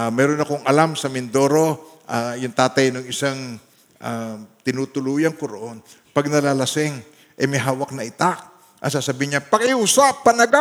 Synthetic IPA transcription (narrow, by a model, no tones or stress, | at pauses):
mɛːɾonɐkoŋʔɐlamsɐmɪnd̪oɾo̞ʔajʊŋt̪aːt̪ɐjnʊŋɪsaŋ | ʔat̪ɪnuːt̪ʊluːjɐŋkoɾoʔo̞n | pɐɡ̚nɐlaːlɐsɪŋ | ʔɐjmɐɦaːwɐk̚nɐʔɪt̪ak̚ | ʔɐ̰saːsɐbiːɲapɐŋɪʔuːsapːɐnɐɡa